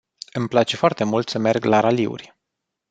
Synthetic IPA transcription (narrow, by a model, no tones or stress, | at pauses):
ɨmplat͡ʃe̞foart̪e̞mult̪səme̞rɡlaɾaliṵrʲ